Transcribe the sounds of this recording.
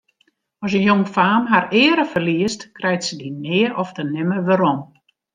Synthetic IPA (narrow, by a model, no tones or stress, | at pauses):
ɔs̬ənjoŋfaːmɦarɪːəɾəfərliəstkrɛjtsədinɪːəʔɔftənɪməʋaɾɔm